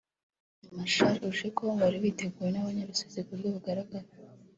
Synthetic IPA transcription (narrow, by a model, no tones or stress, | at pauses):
amaʃaɾuʒekʰo̞βaɾiβiːte̞ɡuːje̞naβaɲeɾusezikuɾɡoβuɡaɾaɡaɾe